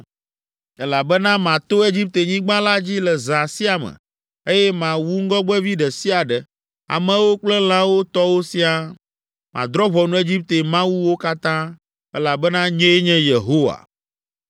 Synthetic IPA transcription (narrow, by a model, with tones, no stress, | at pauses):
ɛ˦la˨bɛ˦nã˦mã˨t̪o˦e˦d͡ʑi˦p̚t̪e˨ɲĩ˦ɡ͡bã˦la˦d͡ʑi˦lɛ˨zã˨si˦a˨mɛ̰̃˨ | e˦jɛ˦mã˨wu˦ŋ̩˦ɡɔ˦ɡ͡bɛ˦vi˦ɖɛ˨si˦a˨ɖɛ˨ | a̰˨mɛ̃˦wo˦k͡plɛ˦l̃ã˦wo˦t̪ɔ˦wo˦si˦a˨ | mã̰˨d̪ɾɔ˦βɔ˨nũ˨˦e˦d͡ʑi˦p̚t̪e˨mã˦wu˦wo˦ka˦t̪ã˦ | ɛ˦la˨bɛ˦nã˦ɲẽ˦e˦ɲɛ̃˦je˨ɦo˦wa̰˨